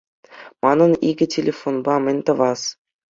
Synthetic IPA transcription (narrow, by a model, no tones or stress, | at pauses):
mɑnɤ̆niɡʲɘ̆tʲelʲefonbɑmʲɘ̆nʲt̪ɤ̆ʋɑs